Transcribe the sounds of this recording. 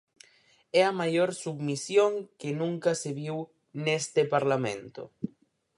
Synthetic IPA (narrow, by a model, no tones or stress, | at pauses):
ɛamajoɾsuβmisjoŋkɪnũŋkaseβiw | nest̪ɪpaɾlamḛ̃nt̪ʊ̰